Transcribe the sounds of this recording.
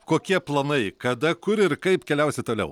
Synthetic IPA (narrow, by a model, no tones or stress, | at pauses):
koːkʲiɛplˠɐnɐɪkɐd̪ɐkʊɾɪɾkɐɪpkʲɛlʲɛʊsʲɪt̪oːlʲɛ̰ʊ